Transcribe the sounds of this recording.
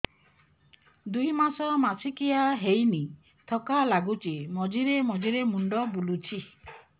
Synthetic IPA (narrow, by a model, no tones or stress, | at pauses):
d̪ujmasɔmasʰikijaɦejni | t̪ʰɔkalaɡut͡ʃemɔd͡ʒiɾemɔd͡ʒiɾemuɳɖɔbulut͡ʃʰi